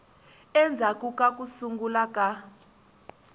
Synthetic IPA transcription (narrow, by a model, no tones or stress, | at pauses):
ɛnd͡zʱakʼukʼak̬ʼusuŋɡulakʼa